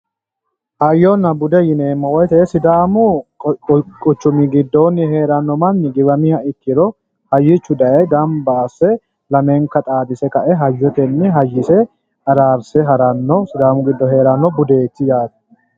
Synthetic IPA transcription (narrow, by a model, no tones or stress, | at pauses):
hɐjːɔnːɐbʊd̪ɛjɪneːmːɐwɔjt̪ɛsɪd̪aːmʊ | kʼɔt͡ʃːʊmɪɡɪd̪ːɔnːɪheːɾɐnːɔmɐnːɪɡɪbɐmɪhɐɪkːɪɾɔ | hɐjːɪt͡ʃːʊd̪ɐjɛɡɐmbaːsɛ | lɐmɛŋkɐt̪ʼaːd̪ɪsɛkɐʔɛɦɐjːɛt̪ɛnːɪɦɐjːɪsɛ | ɐɾaːɾsɛɦɐɾɐnːɔsɪd̪aːmʊɡɪd̪ːɔɦe̞ːɾɐnːɔbʊd̪e̞ːt̪ːɪjaːt̪